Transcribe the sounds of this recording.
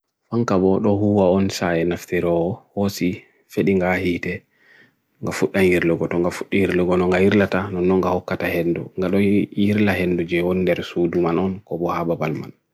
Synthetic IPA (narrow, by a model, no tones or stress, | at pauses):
faŋkabɔɗɔɦuwaɔnsajɛnaftiɾɔhosi | feɗiŋɡahiːtɛ | ŋɡafuɗːanjiɾluɡɔtɔŋɡafuɗːijiɾluɡɔnɔŋɡahiɾlatanɔnːɔŋɡahɔkːatahɛndṵŋɡaɗɔjiɾlaɦɛnːdud͡ʒɛwonindɛɾsuːdumanɔnkɔbɔhababalma̰n